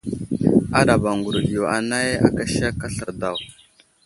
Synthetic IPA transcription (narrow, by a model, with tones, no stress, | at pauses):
a˦ɗa˨ba˨ŋɡu˨ɾu˨ɗi˨jo˨a˨na˦ja̰˦ka˦ʃa˦ka˦ɬə˨ɾda˦˨w